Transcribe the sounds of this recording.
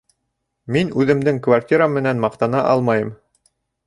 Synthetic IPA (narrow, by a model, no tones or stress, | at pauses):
minʉðɘ̆md̪ɘŋkvarʲtʲiɾamɘ̆nænmɑqt̪ɑnɑʔɑlˠmɑjɤm